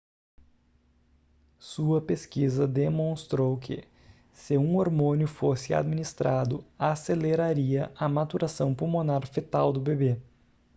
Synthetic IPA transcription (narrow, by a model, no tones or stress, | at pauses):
suɐpeskizɐd̪emõst̪ɾowkʰɪ̰ | sɪũoɾmõnjʊfosɪa̰d̪minist̪ɾʔad̪ʊaseleɾaɾiɐʔɐmat̪uɾasɐ̃w̃pumonaɾfet̪awd̪ʊbebe